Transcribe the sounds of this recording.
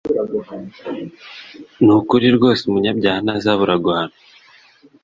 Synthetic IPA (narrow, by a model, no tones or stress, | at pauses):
nukuɾiɾɡo̞ːseumuɲabɟaːhanazaβuɾaɡaano